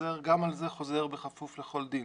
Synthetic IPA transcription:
eʁɡamalze̞χo̞zeʁbeχafufle̞χo̞ld̪in

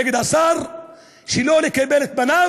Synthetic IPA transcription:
eɡed̪asaʁ | ʃelo̞lekabelet̪̚bana

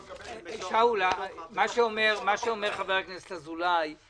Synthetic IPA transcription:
ʃaulamaʃeomeʁmaʃeomeʁχaveʁaknese̥tlazulaj

